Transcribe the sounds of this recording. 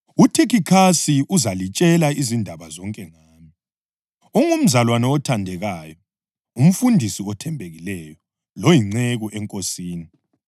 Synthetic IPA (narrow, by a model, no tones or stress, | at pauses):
utʰekikʰasiʔuzalit͡ʃʼɛlaizindʱaβazɔŋkʼɛŋaːmi | ɔŋum̩zalwanɔɔtʰandʱɛɣaːjɔ | um̩fundʱisiɔtʰɛmbʱeɣilɛjɔ | lojiŋ͡ǀeɣuʔɛŋkʼosiːni